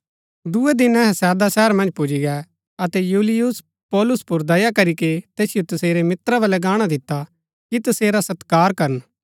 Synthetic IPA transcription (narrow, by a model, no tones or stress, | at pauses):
d̪ʊed̪ɪnɛɦɛsɛːd̪asɛːəɾmɐ̃nd͡ʒpʊd͡ʒiɡɛ | ɐt̪ɛjuːlɪjʊs | pɔːlʊspʊɾd̪ɐjakɐɾiket̪eːsɪjot̪ɐseːɾemɪt̪ɾaβɐlɛɡaːɽ̃ad̪ɪt̪ːa | kit̪ɐseːɾasɐt̪kaːɾkɐɾən